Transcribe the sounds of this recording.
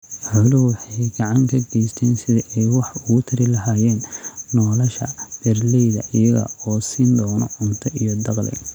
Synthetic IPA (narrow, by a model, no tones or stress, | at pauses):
ħʊlʊwɑħɑjɡɑʕɑŋkʰɐɡɛjst̪ʰɛːnsɪðɐʔɛjwɑħʊɣʊt̪ʰɐɾɪlɐɦaːjɛːnnɔːlɐʃɐ̰b̥ɛrlɛjðɐ̰ʔɪjɐɣɐ̰ɔːsiːnd̪ɔːnɔ̰ʕʊnt̪ʰɔʔijɔd̪ɑqlɪ̰